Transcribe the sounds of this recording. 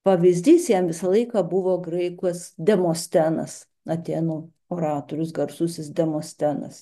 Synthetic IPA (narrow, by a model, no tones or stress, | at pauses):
pɐʋʲizʲd̪ʲiːsjɛmʋʲɪsɐlˠɐɪkɑːbʊʋoːɡɾɐɪkosd̪ʲɛmoːsʲt̪ʲæːnɐ̰s | ɐt̪ʲeːnuː | oːɾɑːt̪oːɾʲʊsɡɐɾsʊsʲɪsd̪ʲɛmoːsʲt̪ʲæːnɐ̰s